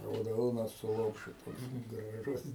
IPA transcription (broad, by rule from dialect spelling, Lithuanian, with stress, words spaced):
rɐʊˈdoːnɐ sʊ ˈlˠoːpʲʃʲʊ toːks ɡrɐˈʒʊs